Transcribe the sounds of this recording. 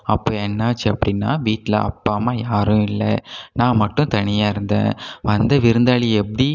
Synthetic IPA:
ɐpːoːɛnːaːt͡ʃːɯɐpːɐɽɪnːa̰ːʋiːʈːɪlɐ̰ɐ̰pːaːmaːjaːɾʊ̃ɪlːɐ̰nãːmɐʈːʊ̃t̪ɐɳɪjaːɪɾɯnd̪ḛ̃ːʋɐnd̪ɐʋɪɾɯnd̪aːɭiɛpːɐɽi

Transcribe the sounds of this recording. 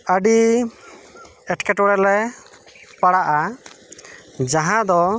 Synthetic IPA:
əɖi | ɛʈkɛʈɔɽɛlɛ | paɽaʔa | d͡ʒaɦãd̪ɔ

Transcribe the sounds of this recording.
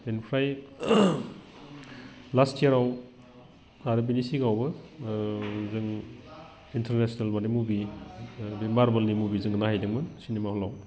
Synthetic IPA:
enpʰɾaj | lastijɐɾaw | aɾɯbinisiɡawbɯ | zɯŋ | intʰeɾnesnalmanimubi | bimaɾbɐlnimubizɯŋnahajdɯŋmɯnsinemahɔlaw

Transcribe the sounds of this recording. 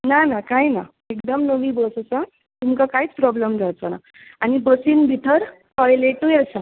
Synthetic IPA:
nanakajna | ekd̪əmnəʋĩbəssa | t̪umkakaɦit͡spɾɔbləmd͡zʱat͡səna̰ | añibəsiːnbʱiʈ̪ʰəɾ | hɔjleʈujesa

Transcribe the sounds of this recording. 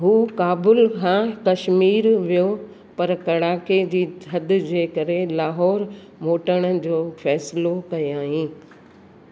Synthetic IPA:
ɦuːkaːbʊlkʰãkɐʃmiːɾʋijo | pɐɾkɐɽaːked͡ʑiːɐd̪̆d͡ʑeːkɐɾelaːɦɔːɾ | moːʈəɽ̃əd͡ʑoːfɛːslokɐeaːɦĩː

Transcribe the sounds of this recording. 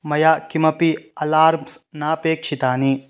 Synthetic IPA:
mɐjaːkimɐpiɐlaːɾmsnaːpeːkt͡ʃʰit̪aːni

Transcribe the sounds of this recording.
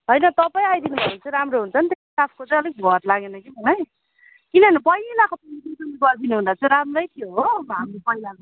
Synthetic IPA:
ɦʌjnʌt̪ʌpaj̃ajd̪inubʱʌnant͡sʰʌ̃ɾamroɦunt͡sʰʌnt̪essapʰkot͡sʌ̃j̃ʌlik̚bʱʌɾlaɡenʌkibʌlaj | kinʌnipʌjlakopʌitit̪umiɡʌrd̪inuɦund̪at͡sʰʌ̃ɾamrʌjt̪ʰijoɦomʌɦamlepʌilak

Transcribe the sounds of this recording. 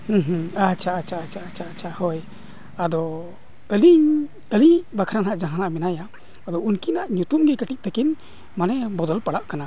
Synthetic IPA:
hũɦ̩at͡ʃʰaʔat͡ʃʰat͡ʃʰat͡ʃʰat͡ʃʰahɔj | ad̪ɔ | əliɲ | əliɲbakʰɾanaʔd͡ʒaɦanaʔmɛnajaː | d̪ɔunkinaʔɲut̪umɡɛkəʈiʔ̚t̪ɛkin | manɛbɔd̪ɔlpaɽaʔkana

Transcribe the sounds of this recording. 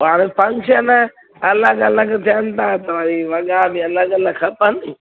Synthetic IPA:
aɽ̃ẽpʰɐ̃ŋkʃən | ɐləɡɐləɡt̪ʰiənɪt̪ʰãːt̪ɐʋaɾiʋɐɡabiɐləɡɐləɡkʰɐpəni

